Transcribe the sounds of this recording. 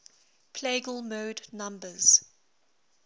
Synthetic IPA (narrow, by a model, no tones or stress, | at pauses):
pʰleɡəlˠmoːdnãmbəz̥